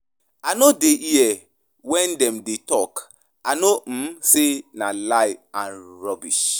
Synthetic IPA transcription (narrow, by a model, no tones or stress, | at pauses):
anodeʔiɛ | wɛ̃ndɛmdetɔk | anom̩senalaɪãnɹɔbiʃ